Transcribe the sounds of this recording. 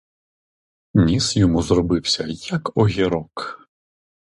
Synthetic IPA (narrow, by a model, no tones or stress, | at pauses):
nʲisjɔmuzɾɔbɪwsʲɐjɐkɔɦʲiɾɔk